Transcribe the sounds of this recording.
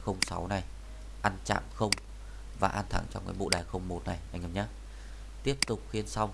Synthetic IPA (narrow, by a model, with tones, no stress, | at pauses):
xə˧wŋ͡msa˨˦wna˨˩j | ʔa˧nt͡ɕa̰ː˧˨mxə˧wŋ͡m | vaː˨˩ʔaː˧nt̪ʰa̰˨˧˩ŋt͡ɕɔ̰˧ŋ͡mka̰ː˨˦jɓo̰˧˨ɗaː˨˩jxə˧wŋ͡mmo˨˩t̚na˨˩jʔa˧jŋ̟ə˨˧˩ɲaː˨˦˥ | t̪i˦˥əp̚t̪ʊ˨˩k͡p̚xi˧ənsa˧w